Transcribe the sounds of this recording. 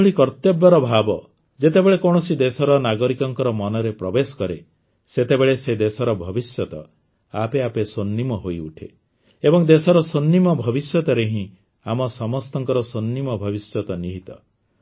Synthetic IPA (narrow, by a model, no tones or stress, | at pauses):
ɭikɔɾt̪jɔbːɔɾɔbʱabɔ | d͡ʒet̪ebeɭekɔɽ̃ɔsid̪esɔɾɔnaɡɔɾikɔŋkɔɾɔmɔnɔɾepɾɔbesɔ̥kɔɾe | set̪ebeɭesed̪esɔɾɔbʱɔbisjɔt̪ɔ | apeapesonːimɔɦojuʈʰe | ebɔŋd̪esɔɾɔsonːimɔbʱɔbisjɔt̪ɔɾeɦĩ | amɔsɔmɔst̪ɔŋkɔɾɔsonːimɔbʱɔbisjɔt̪ɔniɦit̪ɔ